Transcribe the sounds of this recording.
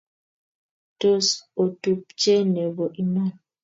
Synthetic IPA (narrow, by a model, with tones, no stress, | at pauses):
to˦so˨tu˨p̚t͡ʃe˦ne˨bo˨ʔi˨ma˦˨n